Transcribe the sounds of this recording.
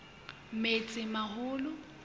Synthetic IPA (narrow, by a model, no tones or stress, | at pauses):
met͡sʼɪmahʊːlʊ